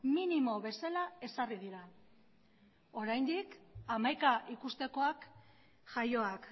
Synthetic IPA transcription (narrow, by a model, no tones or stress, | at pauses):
minimo̞βe̞salae̞sariðiɾa | o̞ɾajnd̪ikamajkaʔikust̪e̞ko̞ak | ʝajo̞ak